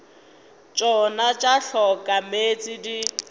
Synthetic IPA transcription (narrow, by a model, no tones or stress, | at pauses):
t͡ʃʼɔnat͡ʃʼaɬɔkʼamet͡sʼidi